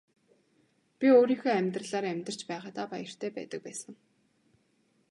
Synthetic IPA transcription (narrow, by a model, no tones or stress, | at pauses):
pʲioːɾiːxoːæmʲt̪rə̆ɮaːɾæmʲt̪ə̆r̥t͡ɕpæːʁaːt̪aːpa̰jə̆r̥t̪ʰeːpæ̰ːt̪ə̆k̚pæːsə̆ŋ